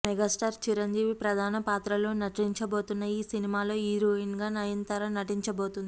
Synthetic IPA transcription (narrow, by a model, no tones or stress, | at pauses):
mɛɡaːsʈaːɾt͡ʃiɾɐɲd͡ʒiːʋipɾɐd̪ʱaːnɐpaːt̪ɾɐlo̞ːnɐʈiɲt͡ʃɐbo̞ːt̪unːɐjiːsinimaːlo̞ːiːɾoːinɡaːnɐjɐnt̪ɐɾɐnɐʈiɲt͡ʃɐbo̞ːt̪und̪i